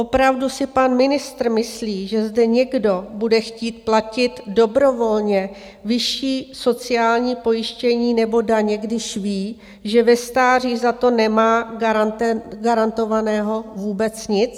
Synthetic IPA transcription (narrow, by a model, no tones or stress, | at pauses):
ʔopɾavdusɪpanmɪnɪst̪rmɪsliːʒɛzdɛɲɛɡdo̞budɛxciːt̪̚placɪt̪do̞bɾo̞vo̞lɲɛ | vɪʃiːso̞t͡sɪjaːlɲiːpo̞jɪʃcɛɲiːnɛbo̞daɲɛɡdɪʃviː | ʒɛvɛst̪aːr̝iːzat̪o̞nɛmaːɡaɾant̪ɛɡaɾant̪o̞vanɛːɦo̞vuːbɛt͡sɲɪt͡s